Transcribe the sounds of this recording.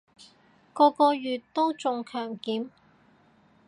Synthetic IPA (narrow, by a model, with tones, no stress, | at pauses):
kɔː˧kɔː˧jyː˨tt̪o˥wt͡sʊ˨ŋkʰœː˨˩ŋkiː˨˥m